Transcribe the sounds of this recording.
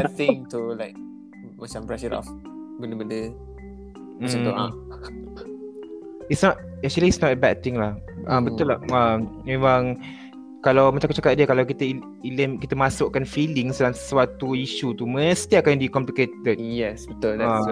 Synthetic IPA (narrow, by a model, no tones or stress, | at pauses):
ɛt̪ɪ̃ŋtulaɪk̚ | mat͡ʃãmpɹɛʃənɔ̰f | bəndəbəndə | maauʔã | itsnɔt̚ | ɛk̚t͡ʃuliːtsnɔt̚əbɛd̚t̪ɪ̃ŋlahãbət̪uʊlaammemãŋ | kalawmat͡ʃakʊt͡ʃakat̪̚diəkalawkit̪əi | iləmkit̪əmasʊʔkanfilɪŋsdaŋswat̪uiʃut̪uməst̪iakandikɔmpliket̪əd̚jɛsbət̪ulda